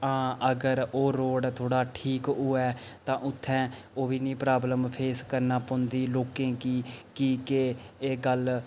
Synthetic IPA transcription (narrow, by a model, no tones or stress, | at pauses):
ãːəɡəɾoːɾoːɖt̪ʰoːɽaːʈʰiːkʊɛːt̪ãːʔʊt̪ʰːɛ̃ː | oːʋiːnĩːpɾaːbləmpʰeːskəɾnaːpõːnd̪iːloːkẽːkiːkiːkeeːɡəl